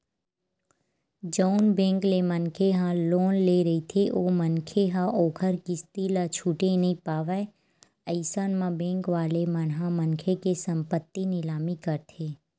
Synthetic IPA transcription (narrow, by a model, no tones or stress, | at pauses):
d͡ʒɔʊnbẽːŋklemənkʰeɦãloːnleɾɐit̪ʰeʔoːmənkʰeɦãʔoːkʰəɾkist̪ilat͡ʃʰuːʈenɐĩpaːʋɛ | əɪsaːnmãbẽːŋkʋaːlemənɦãmənkʰekesə̃mpət̪ːinɪlaːmikəɾt̪ʰeː